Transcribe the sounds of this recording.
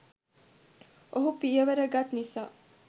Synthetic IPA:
oɦupijəʋeɾəɡat̪nisaː

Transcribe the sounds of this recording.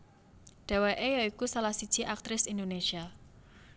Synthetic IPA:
ɖ̪̥a̤weʔejaikusalahsid̥ʒ̥i̤ʔak̚t̪ɾɪsind̪onesia

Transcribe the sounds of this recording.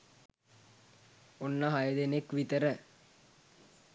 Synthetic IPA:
onːaɦajəd̪enekʋit̪əɾə

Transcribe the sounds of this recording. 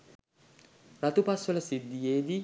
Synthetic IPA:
rat̪upasʋɐləsid̪ːijeːd̪i

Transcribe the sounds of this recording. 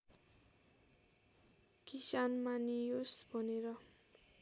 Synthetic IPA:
kisanmanijosbʱʌneɾʌ

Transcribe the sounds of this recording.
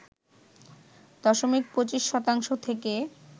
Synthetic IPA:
d̪ɔʃomik̚pɾot͡ɕiʃːɔt̪aŋʃot̪ʰeke

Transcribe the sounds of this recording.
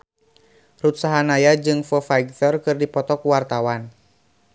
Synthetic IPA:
rut̪̚saɦanajad͡ʒɨŋfəfajɡtɔrkɨrdipɔt̪ɔkuwart̪awan

